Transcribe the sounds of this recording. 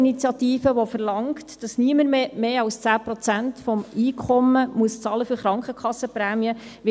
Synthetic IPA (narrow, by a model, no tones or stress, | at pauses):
init͡sjɑtiːfəʋofəɾlɑŋktd̥ɑsniəməɾmemeːɑlst͡sæːpɾɔt͡sæntfɔmiːkʰɔməmuəst͡sɑːləfyɾχɾɑŋkχəkʰχɑsːəpɾæːmiəʋɪ